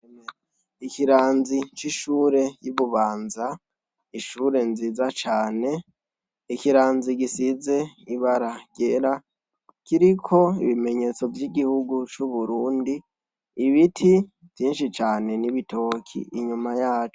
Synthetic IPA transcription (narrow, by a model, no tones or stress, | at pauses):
eme | ikiɾaːnzit͡ʃiʃuːɾe̞juβuβaːnza | iʃuːɾe̞nziːzat͡ʃaːne̞ | ikiɾaːnziɡisize̞iβaɾaɟ̥e̞ɾa | kiɾikʰo̞iβime̞ɲe̞t͡so̞vjiɡihuɡut͡ʃuβuɾuːndiː | βitʰi | vjiːnʃit͡ʃaːne̞niβitʰo̞kʰḭiɲumajaːt͡ʃo